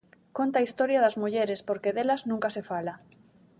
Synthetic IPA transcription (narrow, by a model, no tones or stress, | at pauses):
kont̪aist̪oɾjaðazmuʎeɾespoɾkeðelaznũŋkasefala